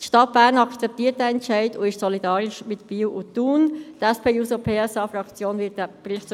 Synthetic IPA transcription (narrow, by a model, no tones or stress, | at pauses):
tʃtɑt̚b̥æːɾnɑkt͡sɛp̚tiːət̚ɛɛntʃɛɪdʊɪʃsɔlidɑːɾɪʃmɪtb̥iːwʔʊtuːntɛspeːusopʰeːɛsɑːfrɑkt͡sjoːnvɪt̚ːɛprɪχt͡s